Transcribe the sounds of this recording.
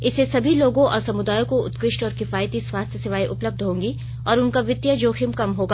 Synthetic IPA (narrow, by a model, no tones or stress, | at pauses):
ɪsesɐbʱiloːɡõʔɔ̰ːɾsɐmʊd̪aːjõkoʊ̰t̪kɾɪʃʈɔːɾkɪfaːjt̪iswaːst̪ʰjəsɪʋaːiʔʊpləb̚d̪ʱɦõːŋɡi | ɔːɾʊnkaʋɪt̪jəd͡ʒoːxʰɪmkɐmɦoːɡaː